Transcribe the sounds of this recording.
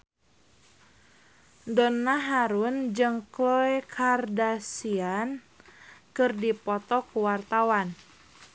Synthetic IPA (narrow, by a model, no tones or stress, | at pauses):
dɔnːaɦaɾund͡ʒɨŋklɔɛkʰardasian | kɨrdipɔt̪ɔkuwart̪awan